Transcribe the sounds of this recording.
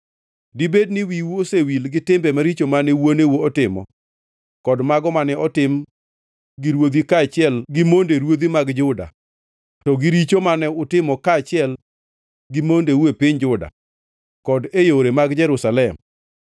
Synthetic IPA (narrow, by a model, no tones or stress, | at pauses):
dibednɪwiwosewilɡɪtɪmbɛmaɾit͡ʃomanɛwonewoːtɪmɔ̰ | kɔdmaɡɔmanɛɔtɪm | ɡiɾwod̪ikat͡ʃɪɛlɡɪmondeɾwod̪imaɡd͡ʒʊda̰ | tɔɡiɾit͡ʃomanɛʊtɪmɔkaːt͡ʃɪɛl | ɡɪmondewepɪɲd͡ʒʊda̰ | kɔdejoɾemaɡd͡ʒɛɾusalɛm